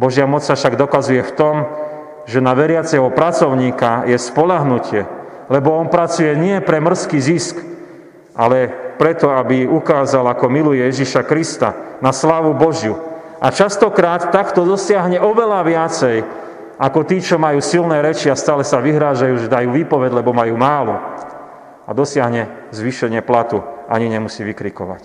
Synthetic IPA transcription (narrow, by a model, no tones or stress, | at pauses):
bɔʒjamɔt͡ssafʃaɡd̪ɔkazujɛft̪ɔm | ʒɛnaʋɛɾɪat͡sɛɦɔpɾat͡sɔʊɲiːkajɛspɔʎaɦnucɪɛ | lɛbɔɔnpɾat͡sujɛɲɪɛpɾɛmr̩skiːzisk | ʔa̰lɛpɾɛt̪ɔabiukaːzalakɔmilujɛjɛʒiʃakɾist̪a̰naslaːʋubɔʒju | ʔa̰t͡ʃast̪ɔkɾaːt̪ːakt̪ɔd̪ɔsɪaɦɲɛʔɔʋɛlaʋɪat͡sɛj | akɔt̪iːt͡ʃɔmajuːsilnɛːɾɛt͡ʃiast̪aːlɛsaʋiɦɾaːʒajuːʒɛd̪ajuːʋiːpɔʋɛɟlɛbɔmajuːmaːlṵ | a̰d̪ɔsɪaɦɲɛ | zʋiʃɛɲɪɛplat̪uʔa̰ɲiɲɛmusiːʋikɾikɔ̰ʋa̰c